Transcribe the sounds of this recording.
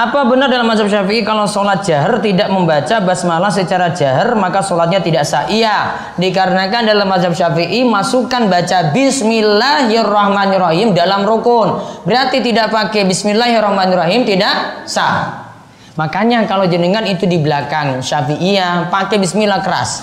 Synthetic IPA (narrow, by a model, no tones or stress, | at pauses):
ʔapabənərdalamːad͡ʒab̚ʃafiʔikalosolat̪̚d͡ʒaɦərt̪idaʔməmbat͡ʃabasmalahsət͡ʃaɾad͡ʒaɦərmakasolat̪̚ɲat̪idaʔsaʔia | dikaɾənakandalamːad͡ʒab̚ʃafiʔimasukanbat͡ʃabismilaɦjarɔhmanirɔɦimdalamrokʊnbəɾart̪it̪idaʔpakɛbismilahɦjirɔhmaniɾaɦɪmt̪idaʔsa̰ | makaɲakalod͡ʒənəŋanit̪udibəlakaŋʃafiʔijapakɛbismilahkəɾa̰s